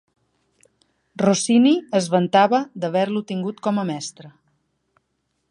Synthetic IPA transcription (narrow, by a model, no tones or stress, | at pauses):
rosiniəzβənt̪aβəd̪əβɛɾlut̪iŋɡut̪kɔməmɛst̪ɾə